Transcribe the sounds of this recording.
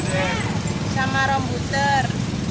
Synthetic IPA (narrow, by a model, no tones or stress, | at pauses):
samaɾɔmbut̪ər